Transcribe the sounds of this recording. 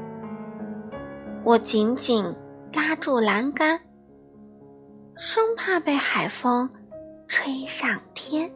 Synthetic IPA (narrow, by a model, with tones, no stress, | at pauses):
wɔ˨˩t͡ɕi˧˥nt͡ɕi˨˩nla˥ʈ͡ʂu˥˩la˧˥nka˥n | ʂwʊ˥ŋpʰa˥˧pe˥˩ɪxa˨˩ɪfɤ˥ŋʈ͡ʂʰwe˥ɪʂɑ˥˩ŋt̪ʰjɛ˥n